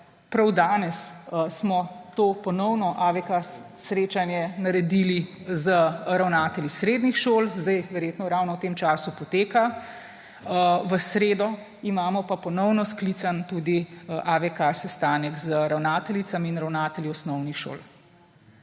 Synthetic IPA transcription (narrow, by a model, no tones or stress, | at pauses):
pɾawd̪aːnɛssmɔt̪oːpɔnɔwnɔʔaʋɛka | sɾeːt͡ʃanjɛnaɾɛd̪ilizəɾawnaːt̪ɛlisɾeːd̪nixʃoːlzd̪ajʋɛɾjeːt̪nɔɾawnɔwt̪eːmt͡ʃaːsupɔt̪eːka | ʋəsɾeːd̪ɔ | imaːmɔpapɔnɔwnɔsklit̪sant̪uːd̪iʔaʋɛkasɛst̪aːnɛkzəɾawnaːt̪ɛlit̪samiinɾawnaːt̪ɛljiɔsnɔwnixʃo̰ːl